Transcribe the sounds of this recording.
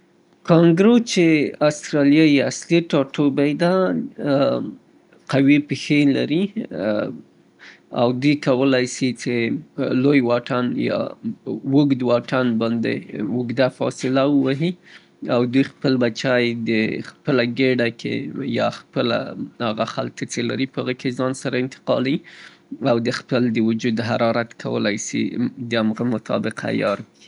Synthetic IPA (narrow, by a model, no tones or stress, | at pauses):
kɑŋɡɾot͡ʃeast̪ɾɑlijajasliʈɑʈobajd̪a | qawipexela̰ɾi | a̰wd̪ujkawəlajsit͡ʃelojwɑʈanjɑ̰wʊɡd̪wɑʈanbɑnd̪ḛwʊɡd̪afɑ̰sɪlawəwaɦi | awd̪ujxpəlbat͡ʃajd̪əxpəlaɡeɖakʰḛjɑxpəla̰haɣaxa̰lt̪ət͡sela̰ɾipəhaɣəkezɑnsaɾaɪnt̪ɪ̥qɑ̰liawd̪əxpəld̪əwʊd͡ʒud̪ɦaɾɑɾat̪kʰa̰wə̰lajsḭd̪əamɣəmʊt̪ʰɑ̰bɪqʰa̰jɑɾki